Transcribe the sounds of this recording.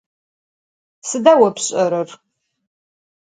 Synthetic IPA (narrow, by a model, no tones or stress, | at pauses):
sɨdaːwɐpɕʼɐɾɨr